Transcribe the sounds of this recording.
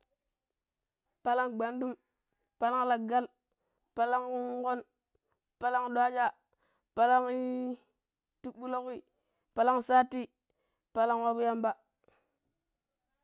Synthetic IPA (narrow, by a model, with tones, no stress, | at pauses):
pa˦la˦ŋɡ͡ba˨ndu˦m | pa˦la˦ŋ˦la˨ɡa˦l | pa˦la˦ŋu˦ŋko˦n | pa˦la˦ŋɗwa˦d͡ʒa˦˨ | pa˦la˦ŋi˦ | ti˦ɓu˦lo˦ki˦˨ | pa˦la˦ŋsa˦tːi˦ | pa˦la˦ŋwa˦bu˦ja˦mba˦